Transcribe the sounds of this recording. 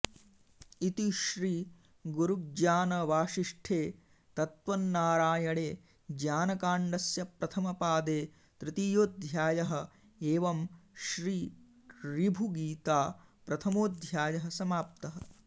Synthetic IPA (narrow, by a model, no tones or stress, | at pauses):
it̪iʃɾiː | ɡuɾuɡd͡ʒaːnɐʋaːʂiʂʈʰeː | t̪ɐt̪ʋɐnːaːɾaːjɐɽeː | d͡ʒaːnɐkaːɳɖɐsjɐpɾɐt̪ʰɐmɐpaːd̪eː | t̪ɾɪt̪ijoːd̪ʱjaːjɐɦɐ̆ | eːʋɐmʃɾiː | ɾibʱuɡiːt̪aːpɾɐt̪ʰɐmoːd̪ʱjaːjɐɦɐsɐmaːp̚t̪ɐɦɐ